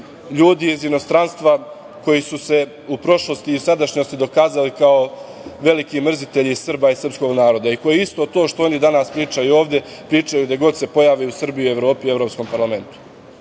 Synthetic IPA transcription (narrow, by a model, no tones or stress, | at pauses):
ʎuːd̪iːzino̞st̪ɾanst̪ʋa | ko̞jisuse̞ | upɾo̞ʃlˠo̞st̪iusad̪aʃɲo̞st̪id̪o̞kaːzalikao | ʋe̞likimr̩zit̪e̞ʎisr̩baisr̩psko̞ɡnaːɾo̞d̪aiko̞jeist̪o̞t̪o̞ːʃt̪o̞o̞nid̪anaspɾiːt͡ʃajuo̞ːʋd̪e̞ | pɾiːt͡ʃajud̪aɡo̞d̪se̞po̞jaːʋejusr̩bijue̞ʋɾo̞ːpiuevɾo̞psko̞mpaɾlˠame̞nt̪u̥